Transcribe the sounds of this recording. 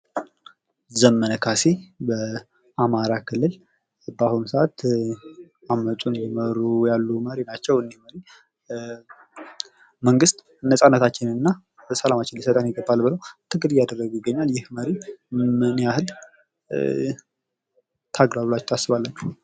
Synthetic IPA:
zəmənəkʰasebə | ʔamaɾakʰɨlːɨl | bahunsəʔat̪ | amːət̪ʼunjɛməɾujalːuməɾinat͡ʃːɛwɨnd̪iməɾi | məŋɡɨst̪ | nəsʼanːət̪ʰat͡ʃːɪnɨnːa | bəsəlamat͡ʃːɪnisət̪ʼanjɪɡəbːalbɨləwt̪ʰɨɡɨd̪ijad̪ərːəɡujɪɡːəɲːaljɪhməɾimɨnijahɨl | t̪ʰaɡlaɾulat͡ʃːt̪ʰasɨβalːənːə

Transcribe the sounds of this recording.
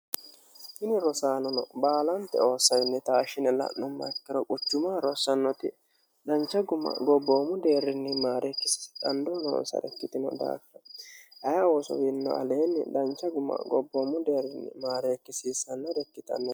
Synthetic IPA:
hɪnɪɾɔsaːnɔnɔbaːlɐnt̪ːɛ̰o̞ːsːɐjnːɛt̪aːʃɪnɛlɐ̰nːʊmːɐ̰kːɪɾɔkʼʊt͡ʃːʊmaːɾɔsːɐnːɔt̪ɪ | d̪ɐnt͡ʃːɐɡʊmːɐ̰ɡɔbːoːmːʊd̪e̞ːrːɪnːɪmaːɾekːɪ̥skʼɐnd̪oːno̰ːnsɐ̰dɛ̰kːɪt̪ɪnɔ̰d̪a̰ːkɾɐɐjawɔsɔ̰wɪnːɔ̰ʔɐ̰le̞ːnːɪd̪ɐnt͡ʃːɐɡʊmːɐ̰ɡɔbːoːmːʊd̪e̞ːrːɪnːɪ̰maːɾeːkːɪsiːsɐnːɐdɛkːɪt̪ɐ̰nːɛ

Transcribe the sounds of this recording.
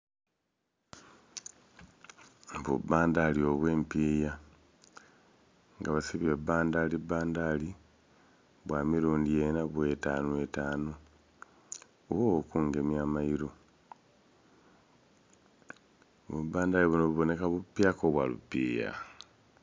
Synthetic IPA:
βṵbaːndalio̞βwe̞ːmpiːja | ŋɡaβasiβieβaːndalibaːndali | βwaːmiɾuːndijenaβwetaːnuetaːno | oβokuːŋɡe̞mjaːmaiɾo | βubaːndaliβunoβuβo̞ne̞kaβupːjaːkoβwalṵpːiːja̰

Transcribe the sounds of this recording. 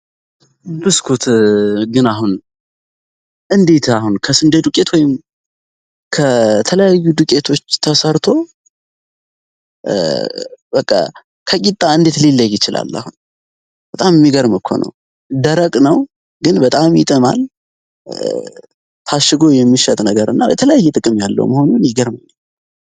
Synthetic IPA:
bɨskʰut̪ɡɨnaɦun | ʔɨnd̪e̞t̪ʰahunkʰəsɨnd̪et̪ukʼe̞t̪wɔjɪm | kʰət̪ʰələjajːud̪ɨkʼe̞t̪ʰo̞t͡ʃːt̪ʰəsəɾt̪ʰo̞ | bəkʼːa̰ | kʰəkʼit̪ʼːaɨnd̪e̞t̪lilːəjɪt͡ʃɪla̰lːa̰hun | b̥ət̪ʼamjɛmːiɡəɾmɨkʰːo̰nə̰w | d̪əɾəkʼnəw | ɡɨnbət̪ʼamjɪ̰t̪ʼɨma̰l | t̪ʰaʃːɨɡojɛmːiʃət̪ʼnəɡəɾɨ̰nːabɛ̰t̪ʰələjajːɛt̪ʼɨkʼɨmjalːə̰wməho̞nunjɪɡəɾmaɲːə

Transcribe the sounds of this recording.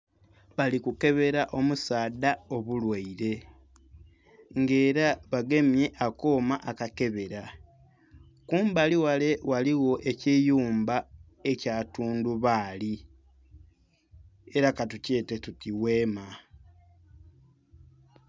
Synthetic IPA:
βalikuke̞βe̞ɾaʔo̞musaːdao̞βulwaiɾe̞ | ŋɡe̞ːɾaβaɡe̞mje̞ʔakoːmaʔakake̞βe̞ɾa | kuːmbaliwale̞waliwo̞ʔe̞cijuːmba | e̞caːtuːnduβaːli | e̞ɾakatuce̞ːte̞tutiwe̞ːma

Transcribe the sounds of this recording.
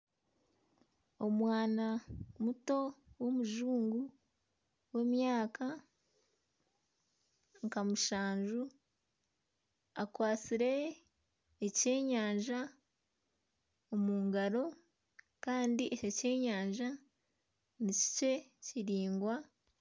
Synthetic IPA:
o̞mwaːnamuto̞wo̞muʒuːŋɡu | we̞ːmjaːkʰa | ŋkamuʃaːɲʒu | akwaːt͡siɾe̞ | ece̞ːɲaːɲʒa | omuːŋɡaɾo̞ | kaːndiʔecece̞ːɲaːɲʒa | nici̥ce̞ciɾiːŋɡwa

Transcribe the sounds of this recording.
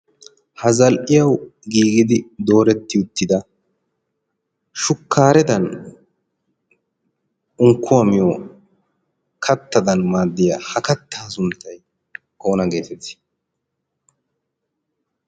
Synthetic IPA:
hɐzɐlʔɪjɐwɡiːɡɪd̪ɪd̪o̞ːɾɛt̪ːɪʊt̪ːɪd̪ɐ | ʃʊkːaːɾɛt̪ɐn | ʊŋkːʊwɐmɪjo | kʰɐt̪ːɐd̪ɐnmaːd̪ːɪjaːhɐkɐt̪ːaːsʊnt̪ːɐj | o̞ːnɐɡe̞ːt̪ɛt̪ːɪ̥

